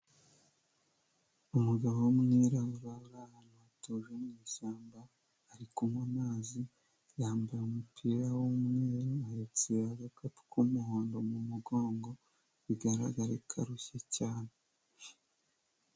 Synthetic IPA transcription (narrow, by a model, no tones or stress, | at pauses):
umuɡaβowumŋeɾaβuɾaβuɾahanowatoʒemɲiːʃaːmbaː | ɾikumumaːzi | jaːmbajaumupʰiɾawomŋeːɾuaet͡seɾaɡakatu̥kʰumuhoːndo̞mumuɡo̞ːŋɡo̞ | βiɡaɾa̰ɡaɾekʰaɾuçacaːne